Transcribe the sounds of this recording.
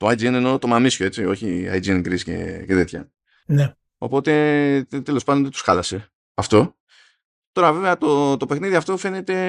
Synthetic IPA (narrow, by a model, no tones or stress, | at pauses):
t̪oajd͡zieneno̞t̪o̞mamisço̞et͡sio̞çia̰jd͡zienɡɾisce̞̰ce̞t̪e̞t̪çɐ̰ | ne | o̞̰po̞t̪e̞t̪e̞lo̞spɐd̪onðet̪u̥sxɐlɐse̞ | ɐft̪o̞ | t̪o̞ɾɐve̞veɐt̪ot̪o̞pe̞xniðiɐft̪o̞fe̞ne̞t̪e̞